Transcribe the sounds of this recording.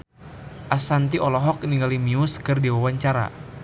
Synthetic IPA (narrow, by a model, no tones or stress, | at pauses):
ʔasant̪iʔɔlɔɦɔk̚niŋɡalimiʊskɨrdiwawaɲt͡ʃaɾa̰